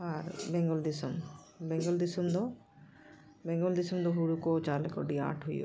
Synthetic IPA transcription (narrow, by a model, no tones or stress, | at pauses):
aɾbeŋɡɔld̪isɔm | beŋɡɔld̪isɔmd̪ɔ | beŋɡɔld̪isumd̪ɔɦuɽukod͡ʒalko̰ɖia̰ʈʰɦojo̰